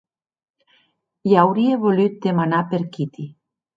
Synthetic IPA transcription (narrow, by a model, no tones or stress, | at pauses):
jawɾieβolyt̪̚d̪emanapeɾkit̪i